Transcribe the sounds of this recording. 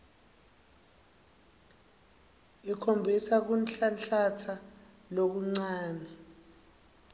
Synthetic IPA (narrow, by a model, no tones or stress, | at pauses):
ikʰombʱisak̬unɬaɬatʰa | lok̬uŋ͡ǀaːnɛ